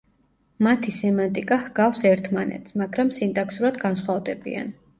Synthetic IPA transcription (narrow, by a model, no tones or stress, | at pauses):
mat̪ʰisɛmant̪ʼikʼahɡafsɛɾt̪ʰmanɛ̰t̪sʰmaɡɾamsint̪ʼakʰsuɾad̪ɡansχwavd̪ɛbḭa̰n